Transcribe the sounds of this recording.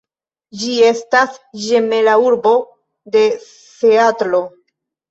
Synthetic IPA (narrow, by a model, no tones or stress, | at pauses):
d͡ʒie̞stasʒe̞me̞lauɾbo̞ | de̞ | θe̞atlo̞